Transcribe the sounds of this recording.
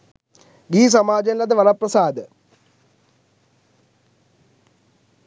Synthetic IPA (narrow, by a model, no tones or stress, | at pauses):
ɡiːs̬ɐmaːd͡ʑɐnilɐðɨʋɐlɐprɐsaːd̪ɐ